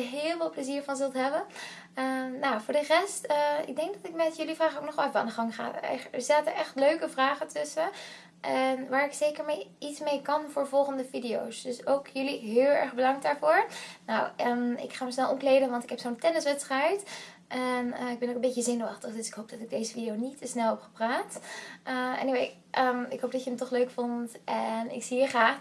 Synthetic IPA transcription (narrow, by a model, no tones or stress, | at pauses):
ɦɪːlˠvɪlˠpləziːɹvɑnzɵlˠtɦɛbən | ənowvʊːɹdərɛstəɪ̰ɡ̚dɛŋkɡ̚dɑtɪk̚mɛtjɵlivraːχəoknɔχɔlˠɛfaːnəχɑŋχa̰ːɛ̰ɛstaːtəʔɛχtløɥkəvraːχətʏsə | ʔɛnʋaːɹɪksejkəɹmejitsmejkɑnvʊːɹvɔlˠχəndəvidijo̰wsdɵsowkjɵliɦɪːlˠɛ̰ɹχbədɑŋk̚daːɹvʊːɹnowəmɪ̰kχaːməsnɛlˠʔɔmklejdənʋɑntɪkɦɛpsontɛnəsʋɛtstrɛjt | ʔɛnəɪɡ̚bɛnowkənbecəzɪnəɑχtəχdʏsɪ̥kɦowp̚d̥ɑtɪɡ̚dejzəfidiownitːəsnɛlˠɦɛpχə̥praːtəɛ̰niʋe | ʔəmɪkɦowp̚dɑtjəəmtɔχløɥkfontʔɛnɪ̰ksiiɹχraːχ